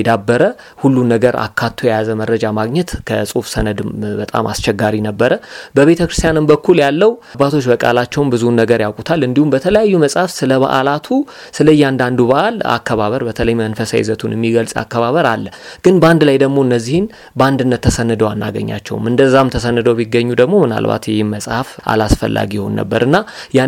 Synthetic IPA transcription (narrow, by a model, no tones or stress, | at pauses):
ɛd̪abːəɾə | hulːunːəɡəɾʔa̰kʰːat̪ʰːojɛjazəməɾːəd͡ʒamaɡɲɛt̪kʰəsʼufsənəd̪bət̪ʼa̰ma̰st͡ʃɛɡːaɾinəbːəɾəbəβe̞t̪ʰəkɾɨst̪ijanɨmbəkʰːuljalːəwbːat̪ʰo̞t͡ʃːbəkʼa̰lat͡ʃːɛwmbɨzunːəɡəɾjawkʼut̪ʰalɨnd̪ihumbət̪ʰələjajːuməsʼhafsɨləβa̰ʔa̰lat̪ʰusɨləjːɛand̪and̪uβaʔala̰kʰːəβaβəɾbət̪ʰələjmənfəsa̰jɪ̰zət̪ʰunjɛmːiɡəlsʼa̰kːəβaβəɾalːəɡ̥ɨnbəand̪lajd̪əɡmo̞ɨnːəzːihɪn | bəand̪ɨnːət̪ʰːəsənːɨd̪əwanːa̰ɡə̰ɲːa̰t͡ʃːɛ̰wmɨnd̪əzːamt̪ʰəsənːɨd̪əwbiɡːəɲːud̪əɡmo̞mɨna̰lba̰t̪jɛhɪnməsʼhafa̰lasfə̰lːa̰ɡijho̞̰nːə̰bːəɾʔɨnːaja